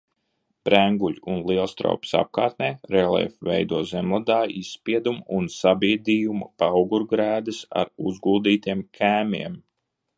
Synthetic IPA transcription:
b̥ɾæŋɡuʎʲunlˠiɛlˠst̪ɾa̰wpsa̰p̚kaːɾt̪̚nɛːɾɛlˠɛ̰fvɛjd̪uɔzɛmlˠad̪aːisspʲiɛd̪umunsabiɛd̪ijumɐpawɡuɾɡɾæːd̪ɨsa̰ɾuzɡulˠd̪iːt̪iɛmkʰæːmʲiɛm

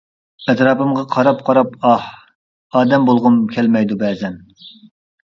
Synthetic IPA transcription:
ɛt̪ɾɑːpɨmʁɑqʰɑɾɑpqʰɑɾɑpɑh | ɑːd̪ɛmbolˠʁʊmkʲʰɛlmɛjd̪ubɛːzɛn

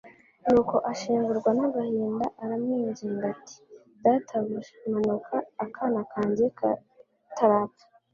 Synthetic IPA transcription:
nuːko̞ʔaʃiːŋɡuɾɡwanaɡahiːndaʔaɾamŋiːɲɟiŋɡatʰi̥ | datʰaɡuʒemanokʰaːkʰanakʰaːɲɟe | tʰaɾapḁ

